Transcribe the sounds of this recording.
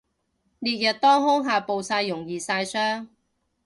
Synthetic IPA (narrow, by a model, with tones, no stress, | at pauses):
liː˨t̚jɐ˨t̚t̪ɔː˥ŋɦʊ˥ŋɦaː˨po˨wsaː˧jːʊ˨˩ŋjiː˨saː˧jsœː˥ŋ